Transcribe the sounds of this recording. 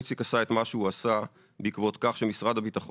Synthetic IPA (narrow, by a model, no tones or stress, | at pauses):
t͡sikasae̞t̪maʃeuasa | beikvo̞t̪kaχʃemisʁad̪abit̪aχo